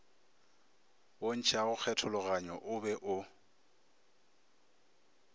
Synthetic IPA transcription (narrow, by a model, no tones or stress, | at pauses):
on̩t͡ʃʰaɣʊk͡xʰɛtʰʊlʊɣaɲɔʔʊbɛʔʊ